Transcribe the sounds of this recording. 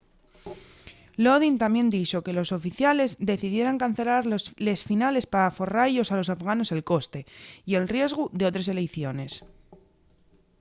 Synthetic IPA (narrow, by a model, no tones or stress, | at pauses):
loð̞int̪amje̞nd̪it͡ʃo̞ke̞lo̞so̞fiθjale̞zd̪e̞θiðje̞ɾaŋkanθe̞laɾle̞sfinale̞spaafo̞rajo̞salo̞safɣano̞se̞lko̞st̪e̞ie̞lrje̞zɣuðe̞o̞t̪ɾes̬e̞lejθjo̞ne̞s